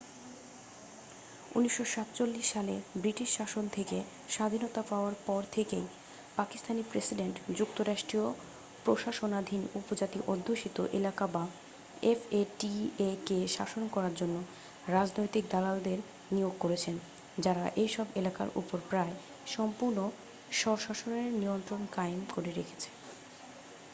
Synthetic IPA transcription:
ṵniʃːoʃat̪t͡ɕolːiʃːalebɾiʈiʃʃaʃont̪ʰeke | ʃad̪ʱinot̪apaoaɾpɔɾt̪ʰekej | pakist̪ʰanipɾesiɖeɳʈd͡ʑukt̪oɾaʃʈɾio | pɾoʃaʃonad̪ʱinupod͡ʑat̪iʔod̪ʱːoʃit̪oʔelakaba | efeʈiekeʃaʃonkɔɾaɾd͡ʑonːo | ɾad͡ʑnojt̪ik̚d̪alald̪eɾ | nijoɡ̚koɾet͡ɕʰen | d͡ʑaɾaʔejʃɔbelaka̰ɾʔṵpoɾpɾae | ʃɔmpuɾno | ʃɔɾʃaʃoneɾniont̪ɾonkaemkoɾeɾekʰe̥t͡ɕʰe̥

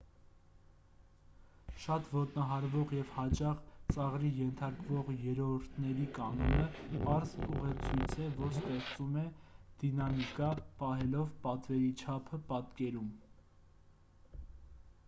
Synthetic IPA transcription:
ʃɑt̪vɔt̪nɑɦɑɾvɔʁjɛvhɑt͡ʃɑχt͡sɑʁɾijɛnt̪ʰɑɾkvɔʁjɛɾɔɾt̪ʰnɛɾikɑnɔnəpɑɾzpuʁɛt͡sʰujt͡sʰɛvɔɾst̪ɛχt͡sumɛd̪̥inɑmikɑpɑɦɛlɔvpɑt̪vɛɾit͡ʃʰɑpʰəpɑt̪kɛɾum

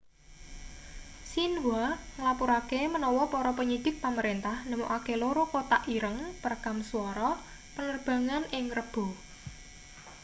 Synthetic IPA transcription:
sinwaŋəlapuɾakemənɔwɔpɔɾɔpəɲid̪̥ɪk̚paməɾent̪ahnəmṵʔakeloɾokot̪aʔiɾəŋpərkamsuɔɾɔ | pənərb̥a̤ŋanɪŋrəb̥ɔ̤

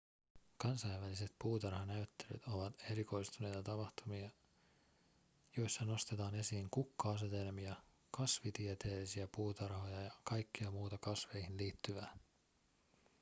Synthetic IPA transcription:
kɑnsɑjʋʋælise̞t̪puːt̪ɑrhɑnæyt̪ːe̞ly̰t̪o̞ʋɑt̪e̞ɾiko̞jst̪une̞jt̪ɑt̪ɑpɑxt̪umiɑ | jo̞jsːɑno̞st̪et̪ɑːne̞siːŋkukːɑɑs̬e̞t̪e̞lmiɑ | kɑsʋit̪iet̪e̞ːlisiæpuːt̪ɑrho̞jɑjɑkɑjkːiɑmuːt̪ɑkɑsʋe̞jhinliːt̪ːyʋæː

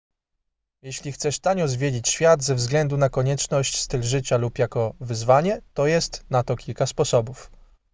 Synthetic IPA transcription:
jɛɕlʲixt̪sɛʂt̪aɲɔzvʲjed͡ʑit͡ɕɕfʲjad̪zɛvzɡlɛnd̪unakɔɲɛt͡ʂnɔɕt͡ɕst̪ɘlʐɘt͡ɕalupjakɔvɘzvaɲɛt̪ɔjɛst̪nat̪ɔkʲilkaspɔsɔbuf

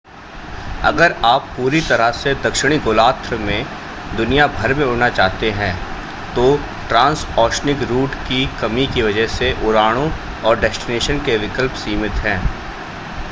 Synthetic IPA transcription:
ɐ̰ɡəɾaːpːuːɾit̪ɐɾəsed̪ɐkʃɪɽ̃iɡʊːlaːt̪ɾmẽ | d̪ʊnijabʱɐɾmẽʊɽnat͡ʃaːɦt̪eɦɛ̃ː | t̪o | ʈɾãːnsɔːʃnɪkɾuːʈkikɐmikiʋɐd͡ʒəɦseʔʊɾaːɽ̃õ | ɔːɾɖɛsʈɪneːʃənkeʋɪkəlpsiːmɪt̪ɦɛ̃ː

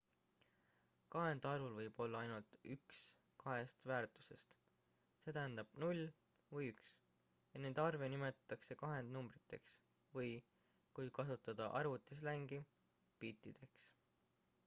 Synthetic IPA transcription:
kɑɦe̞nd̪̥ɑɾulvɤjb̥o̞lːɑɑjnult̪yks | kɑɦe̞st̪væːrt̪ˑu̥se̞st̪ | se̞ːt̪æɦænd̪̥ɑb̥nulʲː | vɤjyks | jɑneːd̪ɑrve̞nime̞t̪ˑɑ̥t̪ːˑɑkse̞kɑɦe̞nd̪numbɾit̪ːe̞ks | vɤj | kujkɑsut̪ːˑɑd̪̥ɑ̰ʔɑrvut̪ːˑislæŋɡ̥i | piːt̪ːˑid̪̥e̞ks

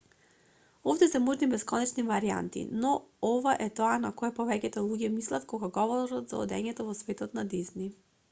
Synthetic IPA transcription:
ofd̪ɛsɛmoʒnibɛskɔnɛt͡ʃnivaɾia̰nt̪ḭnɔɔvaʔɛt̪ɔanakɔɛpɔvɛcɛt̪ɛlˠuɡɛmislˠat̪kɔɡaɡɔvɔɾɔt̪za̰ɔ̰d̪ɛ̰ɲɛt̪ɔvɔsvɛt̪ɔt̪nad̪izni

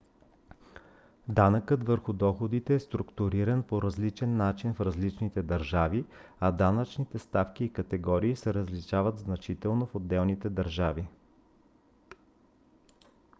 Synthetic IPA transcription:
d̪anəkɤt̪vəɾxʊd̪ɔxod̪it̪ɛːst̪ɾʊkt̪ʊɾiɾənpoɾɐzlit͡ʃɛnːat͡ʃinfɾɐzlit͡ʃnit̪ɛd̪ɐɾʒaviɐd̪anət͡ʃnit̪ɛst̪afkʲiːkət̪ɛɡɔɾiːsɛɾəzliʃavət̪znɐt͡ʃit̪ɛlˠnofod̪ːɛlˠnit̪ɛd̪ɐɾʒavi

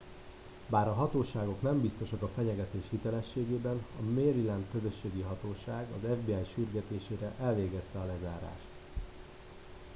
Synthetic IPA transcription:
baːɾɒɦɒt̪oːʃaːɡo̞knɛmbist̪o̞ʃɒkɒfɛɲɛɡɛt̪eːʃhit̪ɛlɛʃːeːɡeːbɛnɒmeːɾilɛnd̪kø̞zø̞ʃːeːɡiɦɒt̪oːʃaːɡɒ̰zɛvbeːaːjʃyrɡɛt̪eːʃeːɾɛʔɛlveːɡɛst̪ɛɒlɛzaːɾa̰ːʃt̪

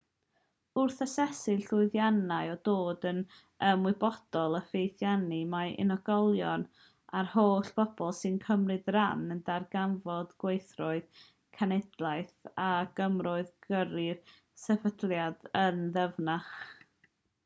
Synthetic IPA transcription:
ʊrθəsɛsɪɬʊɨðjanaɨɔdoːdən | əmwɨbɔd̥ɔlˠəfejθjanimaʔɪ̰nɔɡɔlˠjɔn | arhoːɬb̥ɔb̥ɔlˠsɨnkʰəmrɨdranəndarɡanvɔdɡwejθrɔɨð | kʰanɛdlˠaɨθaɡ̥əmrɔɨðɡəɾɪr | sɛvədlˠjadənðəvnaχ

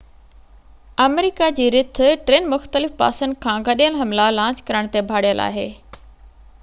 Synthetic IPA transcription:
əmeɾɪkad͡ʑiːɾɪt̪̆ʰʈɾeːnmʊxt̪əlɪfpa̰ːsənd̪kʰãːɡɐɗijəlɦɐmlalãːɲt͡ɕkɐɾəɽ̃t̪ebʱaːɽijəlʔa̰ːɦeː

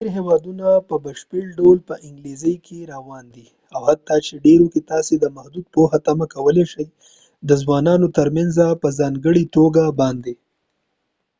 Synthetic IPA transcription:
eɾɦewɑd̪unapəbaʃpeɽɖolpəʔɪŋɡlizəjkʰeɾawɑnd̪i | awhat̪ːat͡ʃeɖeɾok̪et̪ɑsed̪əmahd̪ud̪̚pohat̪amakawəleʃəj | d̪əzwɑnɑnot̪əɾmanzapəzɑŋɡəɽit̪oɡabɑnd̪e

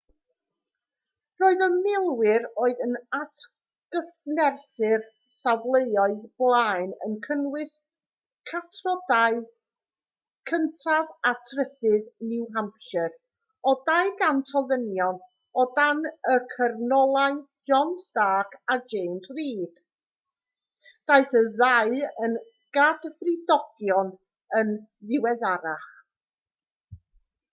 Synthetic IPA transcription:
roːɨðəmɪlˠwɪɾoːɨðənatʰ | ɡ̥əfnɛrθɪr | savlˠejɔɨðb̥lˠaːjnə̰nkʰənwɪs | kʰatʰrɔdaɨ | kʰəntʰavatʰrədɨðnɪwɦampʰʃɨr | ɔdajɡantʰɔðənjɔn | ɔdanəkʰərnɔlˠaɨ | d͡ʒɔnsd̥aːkʰad͡ʒejmsriːd̥ | d̥aɨθəðaɨən | ɡ̥advrɪdɔɡ̥jɔn | ənðɪwɛðaɾaχ

